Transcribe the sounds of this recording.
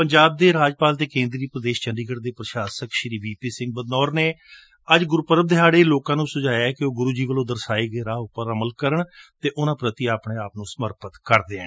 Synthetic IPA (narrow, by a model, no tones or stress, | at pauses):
pəɲd͡ʒaːb̚d̪eːɾaːd͡ʒpaːlt̪eːkẽːnd̪ɾiːpɾəd̪eːʃt͡ʃənɖ̪iːɡəɽd̪eːpɾəʃaːsəkʃɾiːʋiːpiːsɪ̃ŋɡ̚bəd̪nɔːɾneː | əd͡ʒɡʊɾpəɾəb̚d̪ɪɦaːɽeːloːkãːnũːsʊd͡ʒaːjaɛkeoːɡʊɾuːd͡ʒiːʋəlõːd̪əɾsaːeːɡeːɾaːʊpːəɾəməlkəɾəɳt̪eːʔʊnãːpɾət̪iːaːpɳẽːaːpnũːsəməɾpət̪kəɾd̪eːɛ̃ː